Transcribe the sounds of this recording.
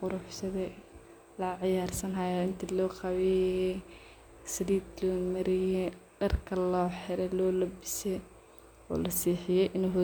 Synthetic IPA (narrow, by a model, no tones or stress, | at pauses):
qʊɾʊħsɐðɛ | lɐʕɪjaːrsɐnɦɐjaɪnt̪ʰilɔːqɑwɛjɛ | sɪdiːd̪lɔːmɐɾɪjɛɖɐrkʰɐlɔːħɪɾɛlɔːlɐbɪsɛj | ɔ̰ːlɐsiːħɪjɛjʔɪnuɦʊ